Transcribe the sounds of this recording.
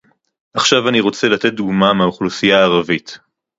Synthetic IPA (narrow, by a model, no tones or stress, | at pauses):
ʔaχʃavaniʁo̞t͡selat̪et̚d̪uɡmameauχlusijaːʁavit̪